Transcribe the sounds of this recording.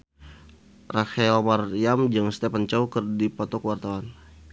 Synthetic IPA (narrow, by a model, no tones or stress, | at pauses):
raxaɛlmarijamd͡ʒɨŋst̪ɛpant͡ʃaukərdipɔt̪ɔkwart̪awan